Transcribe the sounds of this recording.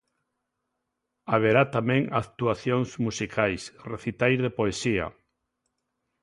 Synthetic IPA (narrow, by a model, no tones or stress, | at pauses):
aβ̞eɾat̪amẽŋakt̪uaθjoŋsmusikʰajsreθit̪ajzðepoesia̰